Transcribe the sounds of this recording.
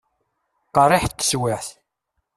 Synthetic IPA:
qɑɾˤɪħt̪ːə̥swɪħθ

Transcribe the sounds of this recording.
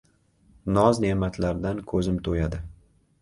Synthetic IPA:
nɒzne̞mat̪ʰlaɾd̪ankʰɵzɪmt̪ʰojad̪ɪ

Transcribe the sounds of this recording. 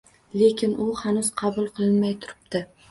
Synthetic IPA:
le̞kʲɪnʊhanʊz̥qʰɑbʊlˠqʰɨlˠɪnmajt̪ʰʊɾɪp̚d̪ɪ

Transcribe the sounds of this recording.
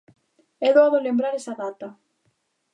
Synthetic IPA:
ɛðoaβolembɾaɾɛsaðat̪a

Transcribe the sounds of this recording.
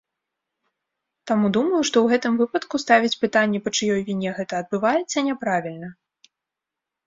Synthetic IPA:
t̪amud̪umɐjuʂt̪ɔwɣɛt̪ɨmvɨpɐt̪kust̪avʲit͡sʲpɨt̪anʲːɛpɐt͡ʂɨjɔjvʲinʲɛɣɛt̪ɐːd̪̚bɨvajɛt̪sːɐnʲɛpɾavʲilʲnɐ

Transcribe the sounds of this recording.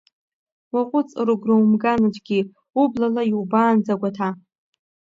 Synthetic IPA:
waqʷʼʊt͡sʼrɨɡrowmɡanɨt͡ʃʼɡʲi | ublalaiwbaːnd͡zaɡʷatʰa

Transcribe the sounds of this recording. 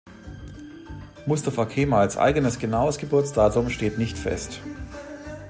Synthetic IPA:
mʊstafakʰeːmaalsʔa̰ɪɡənəsɡ̥ənaʊəsɡ̥əbʊɐt͡sd̥aːtʊmʃteːtnɪçtfɛ̰st

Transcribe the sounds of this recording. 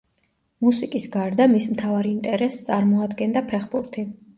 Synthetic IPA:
musikʼisɡaɾd̪amismt̪ʰavaɾiint̪ʼɛɾɛst̪sʼaɾmɔad̪ɡɛnd̪apʰɛχbuɾt̪ʰi

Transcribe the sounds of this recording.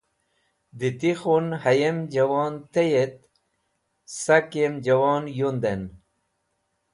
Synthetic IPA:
d̪it̪ixunhɐjemd͡ʑawɑːnt̪ejet̪̚ | sakemd͡ʑɐwɑːnjund̪en

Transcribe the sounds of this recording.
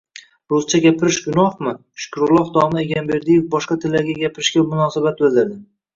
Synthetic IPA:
ɾʊzt͡ʃʰaɡʲapʰɪɾɪʃɡʊnɒhmɪ | ʃʊ̥kɾʊlˠɒhd̪ɒmaeɡʲanbe̞ɾd̪ijɪfbɒʃqɑt̪ʰɪlːaɾɡʲaɡʲapɪɾɪʃkʲamʊnɒsabat̪̚bɪlˠd̪ɪɾd̪ɪ

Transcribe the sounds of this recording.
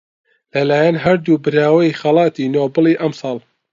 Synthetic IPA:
lɐlaːjɐnɦɐɾd̪uːbɨɾaːwɐixɐlɑːt̪iːnoːbɨliːʔɐmsɑːlˠ

